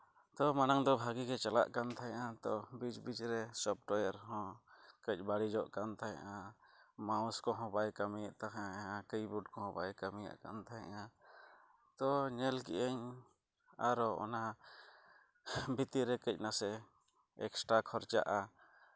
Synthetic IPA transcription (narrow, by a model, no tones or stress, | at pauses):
t̪ɔmanaŋd̪ɔbʱaɡikɛt͡ʃala̰ʔkant̪ʰajʔat̪ɔbid͡ʒbid͡ʒɾɛsɔp̚ʈɔjɛɾɦɔ̃kəc̚ˀbaɽid͡ʒɔʔkant̪ʰaj̰ʔãmaw̃skɔɦɔ̃bajkamijɛʔt̪aɦaaʔãkəjbuɖkɔhɔ̃bajkamija̰ʔka̰nt̪ʰaa̰ʔã | t̪ɔɲɛlkḭʔəɲ | a̰ɾɔɔ̰na | bit̪iɾɛkəc̚ˀnasɛ | ɛksʈɾakʰɔɾt͡ʃa̰ʔa